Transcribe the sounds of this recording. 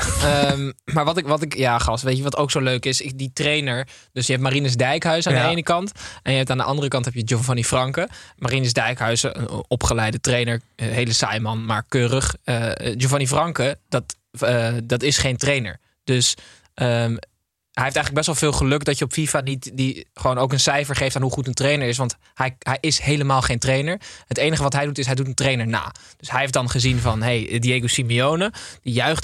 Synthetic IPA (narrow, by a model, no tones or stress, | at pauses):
əmmaːɹʋɑtɪkʋɑtɪkjaːχɑstʋejtəʋɑtowksowløɥkɪsɪditrejnəɹd̥ɵsjəɦɛp̚tmarinəzdɛjkɦœɥsandəejnəkɑntɛnjəɦɛp̚taːndəʔɑ̰ndərəkɑntɦɛpjəd͡ʒovanifrɑŋkəmarinəzdɛjkɦœɥsəə̰nʔɔpχəlɛjdətrejnəɹɦejləsa̰jmɑnmaːɹkøːrəχəd͡ʒovanifrɑŋkəd̥ɑt | ədɑtɪsχejntrejnə̰ɹ | d̥øs | ə | ɦɛjɦeɪftɛjənləɡ̚bɛsʋɑlˠv̥ɪːlˠχəlɵkdɑtjəɔpfifanitdiχəʋownowkənsɛjfəɹχejftaːnɦuχutəntrejnəɹɪs̬ʋɑnt | hɛjɦɛjʔɪsɦejləmaːlˠχejntrejnəɹɦətejnəχəʋɑtɦɛjdutɪsɦɛjdutəntrejnəɹna̰ːd̥ɵsɦɛjɦefdɑnχəzinvɑnɦejdieɡowsimiownəd̥ijœɥχt